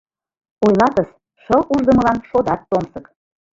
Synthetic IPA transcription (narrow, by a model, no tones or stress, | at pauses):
ojlɑt̪əs | ʃɤlʔuʒd̪əməlɑnʃod̪ɑt̪ːomsək